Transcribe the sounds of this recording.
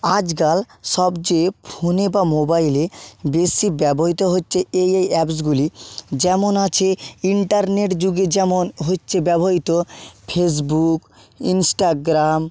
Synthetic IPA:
ad͡ʑɡal | ʃɔbd͡ʑepʰonebamobajlebesibɛboɦit̪oɦotːɕʰeejejɛps̬ɡulid͡ʑɛmonat͡ɕʰeiɳʈaɾneʈd͡ʑuɡed͡ʑɛmonɦotːɕʰebɛboɦit̪opʰes̬buk | insʈaɡɾam

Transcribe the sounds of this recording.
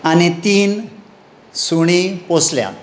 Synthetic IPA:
anit̪iːn | suɽ̃iposljã̰

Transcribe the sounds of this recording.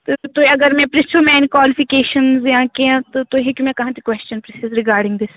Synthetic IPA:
t̪ːt̪oɐɡəɾmɛ̃ːpɾɪsumɛ̃ːnkwaːlɪpʰɪkeːʃənzjãːkẽãt̪ot̪oɦekjũmɛ̃ːkɐɦãːt̪ikwɛst͡ʃənpɾɪsɪzɾɪɡaːɾɖɪ̃ŋɡd̪ɪs

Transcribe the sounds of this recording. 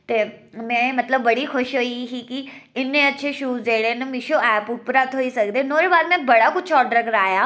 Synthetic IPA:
t̪eːmɛ̃ːmət̪ləbːəɽiːxʰʊʃɦoːiɦiːkɪɪnːẽːətːʃʰeːʃuːzd̪eːɽeːnẽmɪʃoːɛːpʊpɾaːt̪ɦoːiːsək̚d̪eːnoːɾeːbaːd̪mɛ̃ːbəɽaːkʊt͡ʃʰɔːɖəɾəkəɾaːjaː

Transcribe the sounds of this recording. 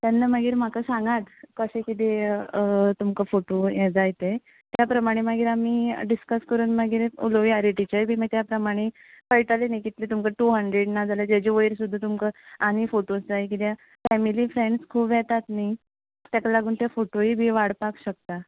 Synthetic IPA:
t̪janːəməɡiːɾm̤akəsãŋɡat̪kəɕẽkit̪̬e | t̪umkəfoʈojed͡zajt̪e | t̪japɾəmaɽ̃eməɡiːɾamiɖiskəskəɾuːnməɡiːɾṵloʋiaɾiʈit͡ɕəjbʱiːməɡt̪japɾəmaɽ̃e | fəjʈalenajkit̪let̪umkəʈuɦəɳɖɾeɽnad͡zaləd͡ʑad͡ʑeʋəjiɾsud̪ʱːət̪̬umkəamifoʈosd͡zaik̬it̪ja | fɛmilifɾeɳɖskʰuːbjɛt̪at̪ni | t̪jakalaɡuːnt̪jafoʈoibʱiːʋaɽpakɕək̚t̪a

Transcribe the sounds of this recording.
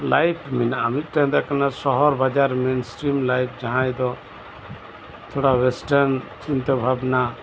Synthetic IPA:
lajpʰmɛnaʔamit̪̚ˀʈand̪akanasɔɦɔɾbad͡ʒaɾmensʈɾimlajp̚ʰd͡ʒaɦãjd̪ɔ | t̪ʰuɽawɛsʈaɾnt͡ʃint̪ɔbʱabna

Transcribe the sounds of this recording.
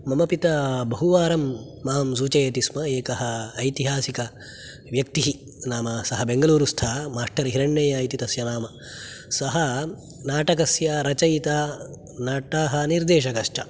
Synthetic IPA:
mɐmɐpit̪ɐbɐɦuʋaːɾɐmː | ɐɦɐms̬uːt͡ʃɐjɐt̪ismɐeːkɐɦɐːjt̪iɦaːsikɐ | ʋjɐk̚t̪iɦi | naːmɐsɐɦɐbeŋɡɐluːɾust̪ʰaːmaːʂʈɐɾɦiɾɐɳːɐjaːjit̪it̪ɐsjɐnaːmɐ | sɐɦɐ | naːʈɐkɐsjɐɾɐt͡ʃɐjit̪a | naːʈaːɦɐniɾd̪eːʃ̬ɐkɐʂʈɐ

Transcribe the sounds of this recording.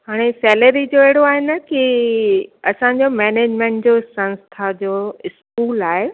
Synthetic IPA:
ɦaːɽ̃esɛːləɾid͡ʑoːeɦɪɽ̤oaːɦɪnə̆ki | ɐsãɲ̆d͡ʑoːmeːneːd͡ʑmẽːɳʈd͡ʑoːsɐ̃nst̪ʰad͡ʑoːɪskuːlaːɦe

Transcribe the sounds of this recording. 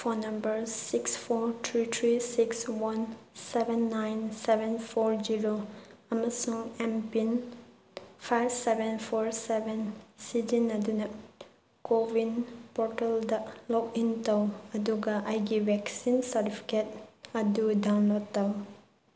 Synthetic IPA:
pʰonɐmbɐɾsikspʰoɾt̪ʰɾit̪ʰɾisikswansebʱɛnːajnsebʱenpʰoɾd͡ʒiɾoɐmɐsuŋempin | pʰajbsebenpʰoɾsebensid͡ʒinɐdunɐ | kobinpɔɾteldɐlɔkintɐwɐduɡɐʔɐjɡibɛksinsɐɾtipʰi̥ket̚ɐdudawnlotaw

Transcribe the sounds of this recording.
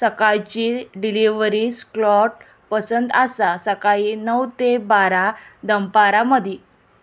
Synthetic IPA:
səkajt͡ɕiːɖiliʋɾisklɔʈ̚ | pəsənd̪asasəkainəwt̪ebaɾad̪əmpaɾaməd̪ʱi

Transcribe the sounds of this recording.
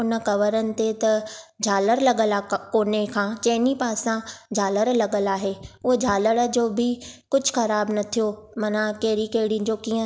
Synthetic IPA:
ʊnə̆kɐʋəɾənɪ̆t̪et̪ɐd͡ʑʱaːləɾlɐɠəlakoːnekʰãːt͡ɕɐɦɪnipaːsãd͡ʑʱaːləɾlɐɠəlaːɦeːʊɦod͡ʑʱaːləɽd͡ʑoːbʱɪkʊd͡ʑʱʊxɐɾaːbnɐt̪ʰijomɐnãkɐɦɪɽikɐɦɪɽĩd͡ʑoːkiːə̃

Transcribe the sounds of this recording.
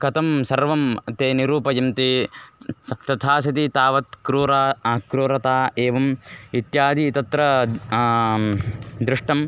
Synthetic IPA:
kɐt̪ɐmsɐɾʋɐmt̪eːniɾuːpɐjɐmt̪i | t̪ɐt̪ʰaːsɐt̪it̪aːʋɐt̪kɾuːɾaːkɾuːɾɐt̪aːeːʋɐmit̪jaːd̪ʱit̪ɐt̪ɾɐ | d̪ɾɪʂʈɐm

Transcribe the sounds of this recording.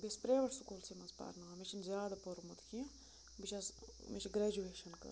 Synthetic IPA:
bispɾeʋɐʈsukuːlsimɐspa̰ːɾnaːmit͡ʃʰinzjaːd̪ɐpoɾmut̪ʰkʰi | bit͡ʃʰɐsmit͡ʃʰiɡɾɛːd͡ʒueːʃɐnkɐ̰ɾ

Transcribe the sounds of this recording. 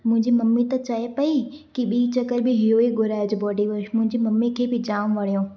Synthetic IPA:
mʊ̃ɦɪ̃ɲd͡ʑimɐmːit̪ɐt͡ɕɐɦepɐi | kiɓiːit͡ɕɐkəɾbɪɦɪɦoiɡʊɾaːd͡ʑbɔːɖiʋɐʃmʊ̃ɦɪ̃ɲd͡ʑimɐmːikʰeːbɪd͡ʑaːmʋɐɽ̤ijõː

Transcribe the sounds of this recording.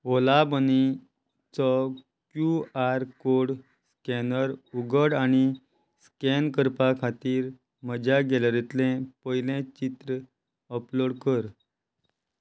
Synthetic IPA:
olabəni | t͡sɔ | kjuaɾkoɽ | skɛnəɾuɡəɽañi | skenkəɾpakʰat̪iːɾ | məd͡ʑaɡeləɾet̪lẽpəjlẽt͡ɕit̪ɾə | əploɽkəɾ

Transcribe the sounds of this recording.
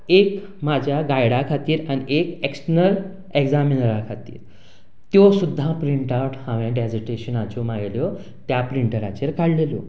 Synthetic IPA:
ek | mad͡ʑʱjaɡajɽakʰat̪iːɾaniʔekeksʈənəɾ | eɡd͡zaminəɾakʰat̪ḭːɾ | t̪jɔsud̪ʱːãpɾiɳʈaʈhãʋãɖed͡zəʈeɕənat͡ɕomajiljɔ | t̪japɾiɳʈəɾa̰t͡ɕeɾkaɽlelo̰

